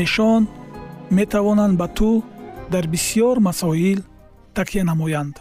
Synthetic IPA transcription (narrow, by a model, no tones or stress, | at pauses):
eʃɔnme̞t̪ʰavɔnand̪bat̪ʰud̪aɾbisijɔɾmasɔil | t̪ʰaqʰijanamɔjand̪̥